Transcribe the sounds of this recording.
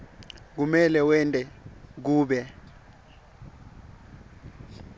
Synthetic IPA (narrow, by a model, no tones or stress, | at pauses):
k̬umɛlɛwɛntʼɛk̬uːɓɛ